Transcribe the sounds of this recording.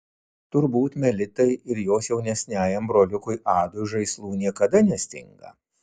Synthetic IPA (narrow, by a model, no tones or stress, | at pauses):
t̪ʊɾbuːt̪mʲɛlʲɪt̪ɐɪɪɾjoːsjɛʊnʲɛsʲnʲæːjɛmbɾoːlʲʊkʊjʔɑːd̪ʊʒɐɪslˠuːnʲiɛkɐd̪ɐnʲɛsʲt̪ʲɪ̰ŋɡɐ̰